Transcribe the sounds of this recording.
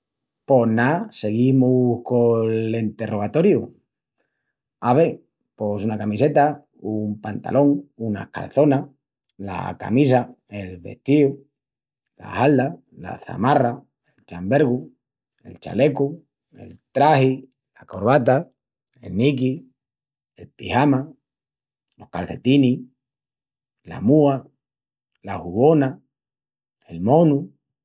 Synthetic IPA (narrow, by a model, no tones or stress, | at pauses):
po̞nase̞ɣimuhkolent̪e̞rʔo̞ɣ̞at̪o̞ɾju | aβe | po̞sunakamise̞t̪a | umpant̪a̰lʔo̞ŋuna̰ka̰lθo̞na | la̰ka̰misa | e̞lβe̞̰ht̪iu | la̰hald̪a | la̰θa̰mara | elt͡ʃambeɾɣu | ḛlt͡ʃa̰leko | ḛlt̪ɾahi | lakoɾβat̪a | ḛlnik̬i | elpihama | lo̞hkalθe̞t̪ini | la̰mua | lahuβona | elmõnu